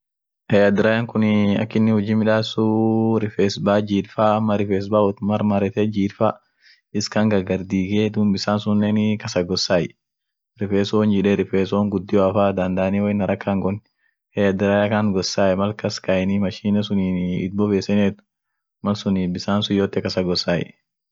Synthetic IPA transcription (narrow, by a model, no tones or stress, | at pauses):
hɛjɐd̪ɪɾaːjaŋkʊnɐ̰kːɪnːɪhʊd͡ʒiːmɪᶑaːsuɾɪfeːsbaːd͡ʒiːɾfaːmːɐɾɪfeːs̬baːɔt̪ʊmɐɾmɐɾɛt̪ɛd͡ʒiːɾfaː | ɪskɐŋɡɐɡɐɾd̪iːɡeːd̪ʊnbɪsaːnsʊnːenɪkɐsɐɡɔsːaːjɛ | ɾɪfeːsɔnd͡ʒɪᶑɛɾɪfeːsɔːŋɡʊd̪ːɪɔɐfaːd̪ɐnd̪aːniwɔɪnɐɾʔɐkːaŋɡɔn | heɐd̪ɪɾajakaŋɡɔsːaːjɛmɐlkɐskɐɛnɪmɐʃiːnɛsʊniːɪt̪̚bɔbeːsɛneːt̪ʊ̥ | mɐlsʊniːbɪsaːnsʊjoːt̪ːɛkɐsɐɡɔsaːj̰